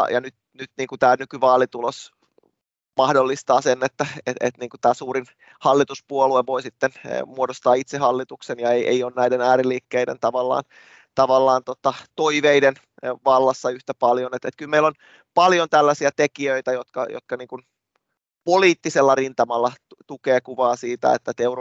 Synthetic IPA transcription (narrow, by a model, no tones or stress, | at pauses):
jɑnyt̪nyt̪niːŋkut̪æːnykyʋɑːlit̪ulos | mɑhdolːist̪ɑːsenːet̪ːæḛḛt̪niːŋkut̪æːsuːɾin | hɑlːit̪uspuolueʋoisit̪ːen̰muodost̪ɑːit̪sehɑlːit̪uksenjɑeiʔḛioːnnæidenæːɾiliːkːeidḛnt̪ɑʋɑlːɑ̰ːn | t̪ɑʋɑlːɑːnt̪ot̪ɑt̪oiʋeiden | ʋɑlːɑsːɑyht̪æpɑljonet̪et̪kylmeilːon | pɑljont̪ælːæsiæt̪ekiøit̪æjot̪kɑ̰jo̰t̪̚kɑniːŋkun | poliːt̪ːiselːɑrint̪ɑmɑlːɑt̪ukeːkuʋɑːsiːt̪æ̰ḛt̪ːæt̪eur